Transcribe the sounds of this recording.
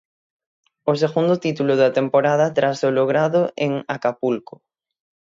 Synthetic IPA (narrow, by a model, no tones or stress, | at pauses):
oseɣund̪ot̪it̪uloðat̪empoɾað̞at̪ɾasoloɣ̞ɾaðoʔeŋakapulko